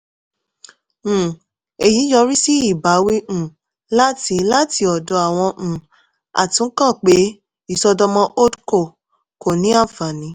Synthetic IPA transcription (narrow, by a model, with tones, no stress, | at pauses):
e˨ji˨˦jɔ˧˦ɾi˦si˦i˦˨ba˨˦wẽ˦˨ | la˦ti˧la˦ti˧ɔ˨dɔ˧a˨w̃ɔ̃˧ʔ̩˨ | a̰˨tũ˨˦kã˦˨k͡pe˨˦ | i˦˨sɔ˧dɔ˧mɔ̃˧ʔo˦dko˦˨ | ko˨nĩ˦a˦˨fa˨nĩ˨˧˦